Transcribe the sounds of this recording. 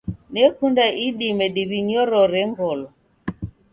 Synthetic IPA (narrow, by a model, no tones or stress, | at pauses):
nɛkundaʔiɗimɛɗiβiɲɔɾɔɾɛŋɡɔlɔ